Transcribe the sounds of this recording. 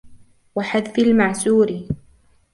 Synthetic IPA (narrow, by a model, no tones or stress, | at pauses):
waħaðfɪlmaʕsuːɾɪ